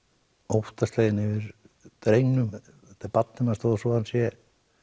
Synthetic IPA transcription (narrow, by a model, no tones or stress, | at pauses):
owht̪ast̪leːjðɪnɪvɪɾ | t̪ɾejnʏm | ɛt̪apat̪nɪmast̪ɔðsvɔðansjɛ